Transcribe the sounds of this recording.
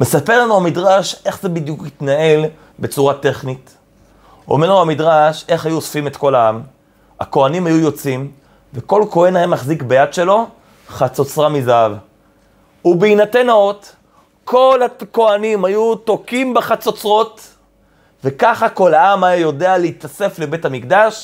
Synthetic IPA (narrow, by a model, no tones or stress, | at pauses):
me̞sape̞lanuhamidʁaʃʔe̞χzebid̪jukit̪nae̞l | bet͡suʁate̞χnit | o̰meʁlauamidʁaʃe̞χajuosfime̞t̪ko̞laam | a̰ko̞animhajujo̞t͡sim | veko̞lko̞enahemaχzikbejadʃe̞lo̞ | χat͡so̞t͡sʁamizaav | ubeinate̞naot | kʰo̞lako̞animhajut̪o̞kimbeχat͡sot͡sʁo̞t | ve̞kaχako̞laamajajo̞dealeit̪ase̞fle̞be̞thamikdaʃ